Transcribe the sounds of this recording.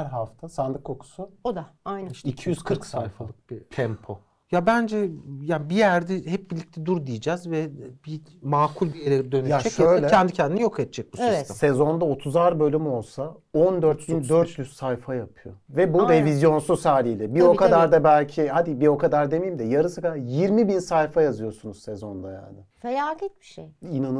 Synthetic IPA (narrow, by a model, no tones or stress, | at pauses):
æɾɦaft̪ʰasand̪ɯkʰːokʰu̥suod̪aaj̪iʃcʰijyzkʰɯɾksajfalˠɯk̚b̥it̪ʰɛmpʰo̞ | jabænd͡ʒɛjabijæɾd̪ɛhɛp̚bilʲic̚t̪ʰɛd̪uɾd̪ijid͡ʒɛzvɛb̥i | maːkʰulʲbijeɾɛd̪ø̞nyjd͡ʒɛʃøjalʲɛcʰɛnd̪icʰɛnd̪inɛjokʰɛt̪̚t͡ʃʰɛc̚busivst̪ʰɛ̰msɛzo̞nd̪aot̪ʰuzaɾbø̞lʲymo̞lˠsa | ond̪øɾt̪̚bind̪øɾt̪ʰlʲyssajfajapʰɯjo̰vɛbud̪evizjo̞nsusaːlʲijlʲɛbiokʰad̪aɾd̪abælʲcʰihad̪ibio̞kʰad̪aɾd̪e̞mejimd̪ɛjaɾɯsɯkajiɾmibinsajfajazɯjo̞sunuzsɛzo̞nd̪aja̰nnɪfejat̪ʰɛt̪̚bi̥ʃejinan